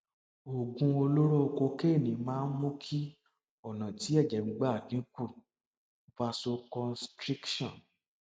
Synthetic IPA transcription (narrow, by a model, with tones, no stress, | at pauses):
o˨ɡũ˧o˧lo˦ɾo˦˧ko˧ke˦˨nĩ˨˦mãː˦n̩˦mõ˦kʰi˦ | ɔ˦˨nã˨ti˨˦ɛ˦˨d͡ʒɛ˨˦ŋ͡m̩˧˦ɡ͡ba˦˨nĩ˨˦ku˦˨˦ | fa˧so˧kɔ˧nstɾi˦kʃɔ̃˦˨n